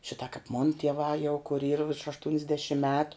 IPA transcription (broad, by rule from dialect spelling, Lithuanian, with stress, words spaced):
ˈʃʲɪtɐ kɐp moːn tʲiɛˈʋɑː jɛʊ kʊr iːr ʋʲɪrʃ ɐʃtʊnʲzʲˈdʲæːʃʲɪm ˈmʲæːtʊ